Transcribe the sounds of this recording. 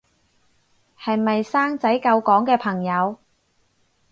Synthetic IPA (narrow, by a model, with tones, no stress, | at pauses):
hɐ˨jmɐ˨jsaː˥ŋt͡sɐ˨˥jkɐ˧wkɔː˨˥ŋkɛː˧pʰɐ˨˩ŋjɐ˨˧w